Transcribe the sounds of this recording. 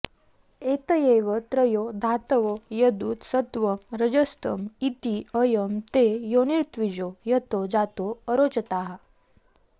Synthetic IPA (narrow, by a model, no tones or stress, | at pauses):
et̪əjeʋət̪ɾəjod̪ʱat̪əʋojəd̪uːt̪sət̪ʋəmɾəd͡ʑəst̪ə̰mit̪iəjəmt̪ejoniɾt̪ʋid͡ʑojət̪od͡zat̪oəɾot͡ɕət̪aɦa